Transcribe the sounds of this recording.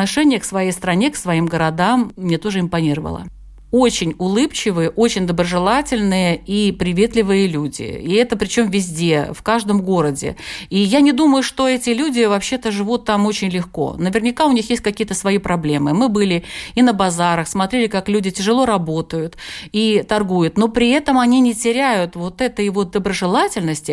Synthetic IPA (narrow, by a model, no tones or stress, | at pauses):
nɐʂɛnʲɪjəksvɐjejst̪ɾɐnʲeksvɐimɡəɾɐd̪amːnʲet̪o̞ʐɨɪmpɐnʲiɾəvə̰lˠə̰ | o̞t͡ɕɪnʲʊlˠɨpt͡ɕɪvɨjəʔot͡ɕɪnʲd̪əbɾəʐɨlˠatʲɪlʲnɨjəipɾʲɪvʲe̞t̪lʲɪvɨjəlʲudʲɪ̰iɛt̪əpɾʲɪt͡ɕo̞mvʲɪzʲdʲe̞fkaʐd̪əmɡo̞ɾədʲɪ̰ijanʲɪd̪uməjʊʂt̪o̞ɛtʲɪlʲudʲɪvɐpɕːe̞t̪əʐɨvut̪ːamo̞t͡ɕɪnʲlʲɪxko̞̰nəvʲɪrnʲɪkaʊnʲixjesʲtʲkɐkʲijət̪əsvɐipɾɐblʲe̞mɨmɨbɨlʲɪinəbɐzaɾəxsmɐt̪ɾʲelʲɪkaklʲudʲɪtʲɪʐɨlˠo̞ɾɐbo̞t̪əjʊt̪it̪ɐrɡujʊt̪no̞pɾʲɪɛt̪əmɐnʲinʲɪtʲɪɾʲæjʊt̪vo̞t̪ɛt̪əjvo̞t̪̚d̪əbɾəʐɨlˠatʲɪlʲnəsʲtʲɪ